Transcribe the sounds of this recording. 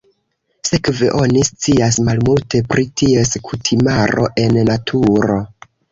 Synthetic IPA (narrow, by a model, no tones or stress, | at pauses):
se̞kve̞ʔo̞nist͡siasmalmulte̞pɾitʰie̞skʰutʰimaɾo̞̰ʔe̞nːatʰuɾo̞